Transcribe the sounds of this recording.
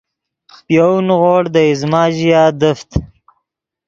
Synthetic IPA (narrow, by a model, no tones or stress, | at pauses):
pjawnɣoːɽd̪əizmɑːʒijɑːd̪əft̪